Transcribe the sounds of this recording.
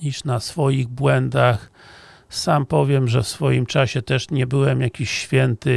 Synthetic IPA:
iʂnasfɔjiɣbwɛnd̪ax | sampɔvʲjɛmʐɛfsfɔjimt͡ʂaɕɛt̪ɛʂɲɛbɘwɛmjakʲiɕːfʲjɛnt̪ɘ

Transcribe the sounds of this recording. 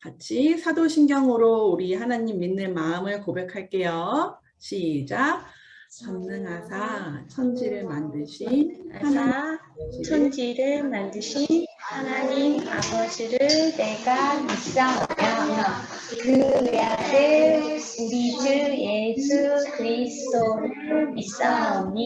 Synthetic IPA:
kat͡ɕʰisʰadoɕʰinɡjʌŋɯɾouɾihanaɲimːinːɯnmaɯmɯɭkobe̞kʰaɭk͈e̞jo | ɕʰid͡ʑa | t͡ɕʌmnɯŋɦasʰat͡ɕʰʌnd͡ʑiɾɯɭmandɯɕʰinhana | t͡ɕʰʌnd͡ʑiɾɯɭmandɯɕʰinhanaɲima̰bʌd͡ʑiɾɯɭne̞ɡamis͈aŋʌɲa | kɯadɯɭ | uɾid͡ʑuje̞sʰukɯɾisʰɯ̥tʰopʰɯmis͈aŋʌɲi

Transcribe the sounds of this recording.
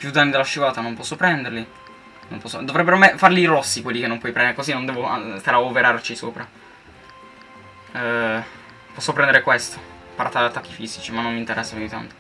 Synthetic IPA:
pjud̪ːanːid̪elaʃːuvaːt̪anompɔsːopɾɛnd̪eɾli | no̰mpɔsːo̰d̪ovɾɛbːeɾoamːefarliɾɔsːikwelːikenːompwɔjpɾɛnd̪eɾekozinond̪ɛːvoa̰t̪eɾaopeɾart͡ʃisoːpɾa | pɔsːopɾɛnd̪eɾekwest̪o̥ | paɾʔa̰t̪ːaat̪ːakːifizit͡ʃimanːomːint̪eɾʔɛsːapjuit̪a̰nt̪o̥

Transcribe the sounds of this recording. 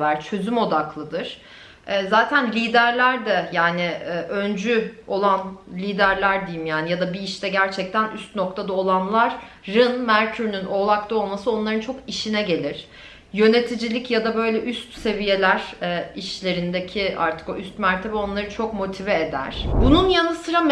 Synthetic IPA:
væɾt͡ʃʰø̞zymo̞d̪aklˠɯd̪ɯɾ̥ | ɛːzaːt̪ʰænlʲiːd̪æɾlʲæɾd̪ɛjaːnɪːʔø̞nd͡ʒyo̞lˠanlʲiːd̪æɾlʲæɾd̪ijimjaːnijad̪abiiʃt̪ɛɟæɾt͡ʃʰɛc̚t̪ʰænʔyst̪no̞kt̪ʰad̪ao̞lˠanlˠaɾ̥ː | ɯnmæɾt̪ʰyɾnyno̞ːlˠakt̪ˠao̞lˠmasɯo̞nlˠaɾɯnt͡ʃʰo̞kiʃinɛɟe̞lʲiɾ̥ | jø̞net̪ʰid͡ʒilʲicjad̪abø̞jlʲɛʔyst̪se̞vije̞lʲæɾ̥ɛiʃlʲe̞ɾind̪ecʰiʔa̰ɾt̪ʰɯ̥ko̞yst̪mæɾt̪ʰe̞bɛo̞nlˠaɾɯnt͡ʃʰo̞kmo̞t̪ʰivɛed̪æ̰ɾ̥bununjanɯsɯɾam

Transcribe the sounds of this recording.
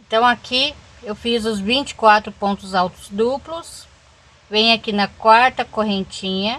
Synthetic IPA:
ẽnt̪ɐ̃w̃aki | ewfizʊzvĩt͡ʃɪ̥kwat̪ɾʊpõnt̪ʊzawt̪ʊ̥zd̪uplʊs | vẽjakinɐkwaɾt̪ɐkoɦẽnt͡ʃĩɲɐ

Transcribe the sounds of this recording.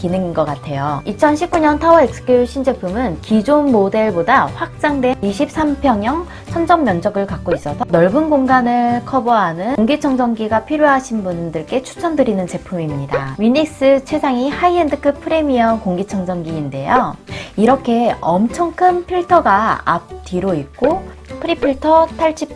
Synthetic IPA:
kinɯŋinɡʌk͈atʰe̞joit͡ɕʰʌnɕʰip̚k͈uɲʌntʰawʌek̚s͈ɯ̥k͈joɕʰind͡ʑe̞pʰumɯnkid͡ʑonmːode̞ɭbodaɸwak̚t͡ɕ͈aŋde̞iɕʰip̚s͈ampʰjʌŋjʌŋ | sʰʌnd͡ʑʌmːjʌnd͡ʑʌɡɯɭkak͈ois͈ʌsʰʌnʌɭbunɡoŋɡanɯɭkʰʌbuɦanɯnŋɡit͡ɕʰʌŋd͡ʑʌŋɡiɡapʰiɾjoɦaɕʰinbundɯɭk͈e̞t͡ɕʰu̥t͡ɕʰʌndɯɾinɯnt͡ɕe̞pʰumimɲidaɥinik̚s͈ɯt͡ɕʰe̞sʰaŋihaiendɯkʰɯpʰɯɾe̞miʌkoŋɡit͡ɕʰʌŋd͡ʑʌŋɡiːnde̞joiɾʌkʰe̞ʌmt͡ɕʰʌŋkʰɯnpʰiɭtʰʌɡaa̰p̚t͈iɾoik̚k͈opʰɯɾipʰiɭtʰʌtʰaɭɕ͈ʰip̚

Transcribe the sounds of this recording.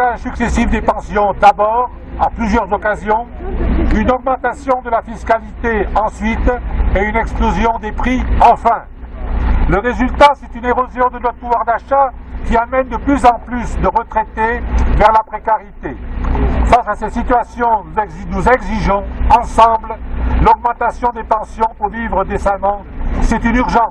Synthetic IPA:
ɛ̃syksɛsifd̪epɑ̃sjɔ̃d̪abɔʁ | aplyzjœʁzɔkazjɔ̃ | ynɔɡ̚mɑ̃t̪asjɔ̃d̪əlafiskalit̪eɑ̃sɥit̪ɛynɛksplozjɔ̃d̪epχiɑ̃fɛ̃ | ləʁezylt̪asɛt̪yneʁozjɔ̃d̪ənɔuwaʁd̪aʃakʲiamɛnd̪əplyzɑ̃plysd̪əʁət̪χɛt̪evɛʁlapχekaʁit̪e | fasasɛsit̪yasjɔ̃nunuzɛɡziʒɔ̃ɑ̃sɑ̃bllɔɡ̚mɑ̃t̪asjɔ̃d̪epɑ̃sjɔ̃puʁvivʁəd̪esamɑ̃ | sɛt̪ynyʁʒɑ̃s

